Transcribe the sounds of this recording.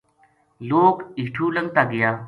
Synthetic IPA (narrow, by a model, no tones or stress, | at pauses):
loːkiːʈʰuːləŋɡ̚t̪aːɡɪjaː